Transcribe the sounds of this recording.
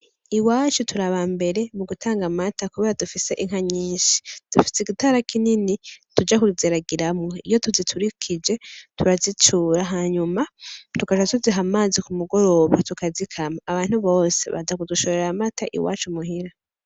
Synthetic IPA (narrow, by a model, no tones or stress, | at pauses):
iwaːt͡ʃutʰuɾaβambe̞ɾe̞muɡutʰaːŋɡamatakuβeːɾadufise̞ʔiŋ̥aɲiːʃi̥d̥ufi̥sekitaɾakininitud͡ʒakuziɾaɡiɾamŋeḭjo̞tuzitʰuɾikʰid͡ʒe̞tuɾazit͡ʃuɾaɦaɲumatukaʃatuziɦamaːzikumuɡo̞ɾo̞βatukazikʰamaːβaːn̥huβo̞ːsḛβa̰d͡ʒakuduʃoɾe̞ɾamatʰaʔḭwa̰ːt͡ʃumuɦiɾa